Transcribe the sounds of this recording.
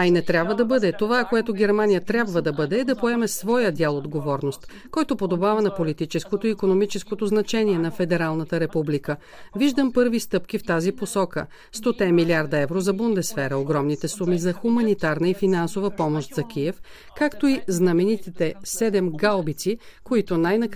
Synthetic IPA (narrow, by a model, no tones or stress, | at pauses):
ɐinɛt̪ɾʲjabvəd̪ɐbɤd̪ɛt̪ovakoɛt̪oɡʲɛɾmanijət̪ɾʲabvəd̪ɐbɤd̪ɛːd̪ɐpoɛmɛsvɔjəd̪ʲalˠod̪ɡovɔɾnost̪ | kɔjt̪opod̪obavɐnɐpolit̪it͡ʃɛskot̪oiːkonomit͡ʃɛskot̪oznɐt͡ʃɛniɛnɐfɛd̪ɛɾalˠnət̪əɾɛpublikə | viʒd̪əmpɤɾvist̪ɤpk̟ift̪aziposɔkə̰ | st̪ot̪ɛmiliaɾd̪ɐɛvɾozɐbund̪ɛsfɛɾəoɡɾɔmnit̪ɛsumizɐxumɐnit̪aɾnəifinansovəpɔmoʃt̪zɐkʲiɛf | kakt̪oiznɐmɛnit̪it̪ɛsɛd̪ɛmɡalˠbit̪sikoit̪onajnɐ